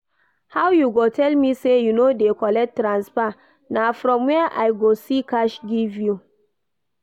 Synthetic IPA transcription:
hawjuɡotʰɛlmisejunodekɔlɛk̚tɾãnspa | nafɾɔ̃mwɛʔajɡosikaʃɡivju

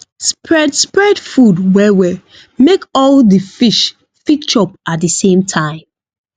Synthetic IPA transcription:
spɹɛdspɹɛdfudwɛwɛ | mekɔldəfiʃ | fikt͡ʃɔpat̚dəsẽmtʰãɪ̃m

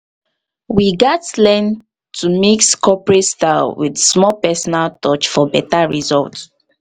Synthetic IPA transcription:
wiɡatlɛ̃n | tʰumikskʰɔpɹetstalwidsmɔpɛsɔnaltɔt͡ʃfɔbɛtaɹizɔ̰lt

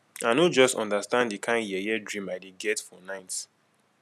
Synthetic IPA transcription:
anod͡ʒɔstɔ̃ndastãnddikʰãɪ̃njɛjɛdɹĩmaɪdeɡɛtfɔnãɪts

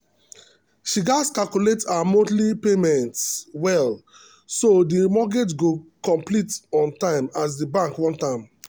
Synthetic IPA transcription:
ʃiɡaskakuletaamõtlipemɛ̃ntwɛl | sodimɔɡetɡokɔ̃mplitɔ̃ntãɪ̃mas̬dibãŋkwɔ̃ntãɪ̃m

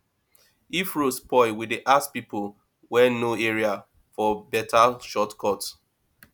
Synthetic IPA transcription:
ifɹospɔɪwideʔaspipol | wɛnoɛɹia | fɔbɛtʰaʃɔtkʰɔt

